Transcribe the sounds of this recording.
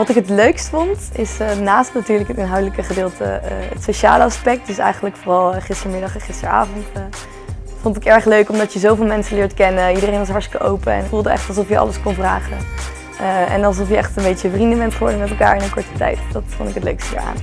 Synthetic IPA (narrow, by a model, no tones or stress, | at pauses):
ʋɑtɪkɦətløɥkstfɔntɪsənaːstnatyːɹləkɦətɪnɦɑwdələkəχədɪːlˠtə̰ə̰tsoʃa̰ːləɑspɛk̚tdɵsɛ̰jχənləkfoːrɑlˠχɪstəɹmɪdɑχɛnχɪstə̰ɹa̰ːvɔnt | fɔntɪkɛɹχløɥkɔmdɑtjəzowvɪːlˠmɛnsəlɪːɹtkɛnəidərejnʋɑs̬ɦɑɹstɪ̥kəʔowpəɛ̰nɪkvulˠdəɛ̰χtɑlˠsɔfjəɑ̰ləskɔnvra̰ːχə̰ | əɛ̰nɑlˠsɔfjəɛχtənbejəvrindəbɛntχəʋɔ̰ɹdəmɛtɛlˠka̰ːɹɪnənkɔɹtə̥tɛ̰jtdɑtfntɪkɦətlø̰ɥkstəə̰ɹa̰ːn